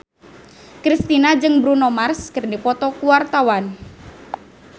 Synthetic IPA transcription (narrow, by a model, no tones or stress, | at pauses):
kɾist̪inad͡ʒɨŋbɾunɔmarskərdipɔt̪ɔkuwart̪awan